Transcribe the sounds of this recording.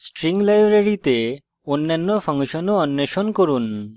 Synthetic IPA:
sʈɾiŋɡlajbɾeɾit̪e | onːanːopʰɐŋʃɔnoɔnːeʃonkoɾun

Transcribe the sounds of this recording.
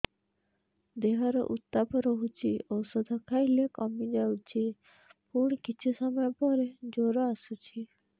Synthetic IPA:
d̪eɦɔɾɔ̰ʔut̪ːapɔɾɔɦut͡ʃʰiosɔd̪ʱɔkʰajlekɔmid͡ʒawt͡ʃʰi | puɽ̃ikit͡ʃʰisɔmɔjɔpɔɾed͡ʒoɾɔasut͡ʃʰi

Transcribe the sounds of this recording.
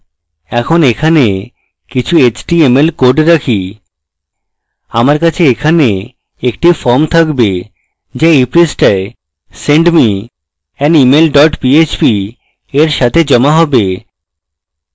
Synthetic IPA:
ɛkʰonekʰane | kit͡ɕʰuet͡ɕʈiemelkoɾɖɾakʰi | amaɾkat͡ɕʰeekʰane | ekʈifɔɾmt̪ʰakbe | d͡ʑeipɾisʈae | seɳɖmi | ɛnimelɖɔʈpiet͡ɕpi | eɾʃat̪ʰed͡ʑɔmaɦɔbe

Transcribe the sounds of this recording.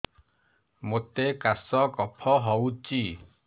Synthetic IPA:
mot̪ːekasɔkɔpʰɔɦɔwt͡ʃi

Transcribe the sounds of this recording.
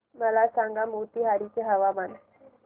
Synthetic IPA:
məlasãŋɡamut̪iːɦaɾit͡seɦəʋaʋan

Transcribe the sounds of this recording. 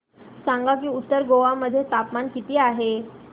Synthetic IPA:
saŋɡak̬iːut̪ːəɾɡoʋaməd̪ʱːjet̪apmankit̪iːaɦe

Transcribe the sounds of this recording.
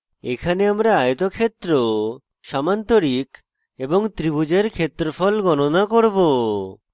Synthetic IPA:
ekʰaneamɾaajot̪okʰet̪ːɾo | ʃamant̪oɾik | eboŋt̪ɾibud͡ʑeɾkʰet̪ːɾofɔlɡɔnonakoɾbo

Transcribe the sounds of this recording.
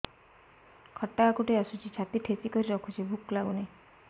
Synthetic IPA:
kʰɔʈːaːkuʈeasut͡ʃʰit͡ʃʰat̪iʈʰet͡ʃikɔɾiɾɔkʰut͡ʃʰibʱuklaɡune

